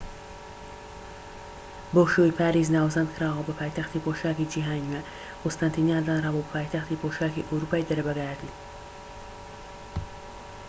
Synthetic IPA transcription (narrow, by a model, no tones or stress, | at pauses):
boʃoipʰaːɾiːznaːwzɐnd̪̚kʰɨɾaːwɐbɐpʰaːjt̪ɐxt̪iːpoʃaːkid͡ʒiɦaːniwɛ | kost̪ant̪ʰiniaːd̪anrabobpʰaːjt̪ɐxt̪iːpoːʃaːkiʔɐwɾuːpaːjd̪ɐɾɐbɐɡaat̪it̪